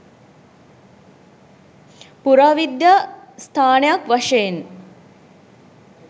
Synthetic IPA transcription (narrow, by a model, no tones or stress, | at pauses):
puɾaːʋid̪jast̪ʰaːnejakʋɐʂejen